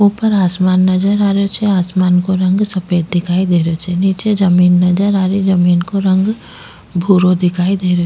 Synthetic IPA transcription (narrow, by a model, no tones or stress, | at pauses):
oːpəɾaːsmaːnːɐd͡ʒəɾaːɾot͡ʃʰeaːsmaːnkoɾɐ̃ŋɡsɐpeːd̪̚d̪ɪkʰaːid̪eːɾot͡ʃʰeniːt͡ʃed͡ʒɐmiːnːɐd͡ʒəɾaːɾed͡ʒɐmiːnkoɾɐ̃ŋɡ | bʱuːɾod̪ɪkʰaːid̪eːɾo